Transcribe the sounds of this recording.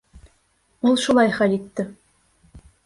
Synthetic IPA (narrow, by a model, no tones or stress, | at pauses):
ulˠʃulˠɑjχælit̪ːɘ